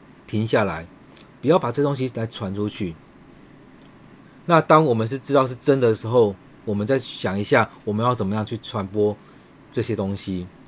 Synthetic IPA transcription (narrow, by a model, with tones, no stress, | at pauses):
t̪ʰi˧˥ŋɕja˥˩la˨˧˦ɪ | pu˨˩jɑ˥˩pa˨˩ʈ͡ʂɤ˥˩˧t̪o˥ŋɕ̬i˦la˨˧˥ɪʈ͡ʂʰwa˧˦nʈ͡ʂʰu˦t͡ɕʰy˥˩ | na˥˨t̪ɑ˥ŋwɔ˨˩mə˨˦nʂ̬ɻ̩˥˨ʈ͡ʂɻ̩˥ɑ˥˧ʊʂ̬̩˥˩ʈ͡ʂə˦nd̪ə˨ə˩ʂɻ̩˧˦xo˥˩ʊ | wɔ˨˩mə˨˦nt͡sa˥˩ɪ˩ɕjɑ˨˩ŋi˧˦ɕja˥˩wɔ˨˩mə˨˦jɑ˥˩ʊt͡sə˨˩mə˦jɑ˥˧ŋt͡ɕʰy˥˩t͡sʰwa˧˦npwɔ˦ | ʈ͡ʂɤ˥˩ɕjɛ˥t̪o˥ŋɕi˦